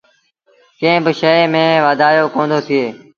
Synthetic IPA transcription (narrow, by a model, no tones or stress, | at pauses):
kẽːbɪʃəemẽːʋaːd̪ʱaːjoːkõːnd̪oːt̪ʰɪeː